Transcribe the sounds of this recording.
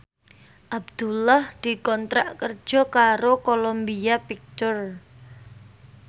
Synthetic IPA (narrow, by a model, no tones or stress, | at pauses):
ʔab̚d̪̥ulahd̪̥i̤kɔnt̪ɾa̰ʔkərd̥ʒ̥ɔ̤kaɾokolombiapik̚t̪ʊr